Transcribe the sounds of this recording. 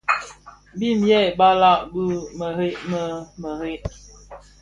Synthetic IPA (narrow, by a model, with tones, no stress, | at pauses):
bi˦m̩jɛ˦˨ba˦la˦˨ʔbu˦mə˨ɦe˦ʔmə˦mə˨he˦ʔ